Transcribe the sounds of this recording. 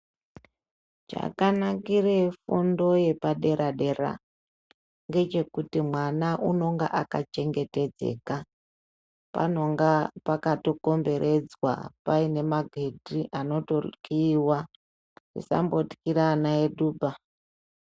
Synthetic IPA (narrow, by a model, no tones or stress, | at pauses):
d͡ʒa̰kanakire̞fundo̞je̞paɗe̞ɾaɗe̞ɾa̰ | ŋɡe̞t͡ʃe̞kutimwanaʔuno̞ŋɡa̰ʔakat͡ʃe̞ŋɡe̞te̞d͡zḛka | pa̰no̞ŋɡapakato̞ko̞mbe̞ɾʔe̞d͡zwa̰paine̞maɡʱe̞dʱiʔano̞to̞kiːwa | rḭsa̰mbo̞ti̥kiɾanaeɗuːbʱa